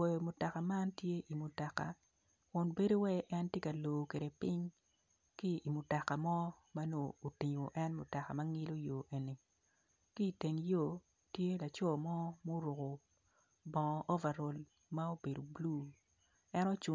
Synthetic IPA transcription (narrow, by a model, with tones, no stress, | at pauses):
ɔ˨jɔ˨mʊ˨ta˨ka˨ma˦ntje˦ʔi˨mʊ˨ta˨ka̰˨ | kʊ˨nbe˦do˦wɛ˦ʔɛ˦ntje˦ka˨lo˨kwe˨ɾe˨pi˦ɲ | ki˦i˨mʊ˨ta˨ka˨mɔ˦ma˦noː˦˨ti˨ɲo˨ʔɛ˦nmʊ˨ta˨ka˨ma˦ŋɪ˦lo˦jo˨ʔe˨ni˨ | ki˦˨te˨ŋjo˦˨ | tje˦la˨t͡ʃɔ˦˨mɔ˦mo˦ɾʊ˨ko˨ | bɔ˨ʔɔ˦vɛ˨ɾo˨l | ma˦o˦be˨do˨blu˦ | ɛ˦nɔ˦t͡ʃu˨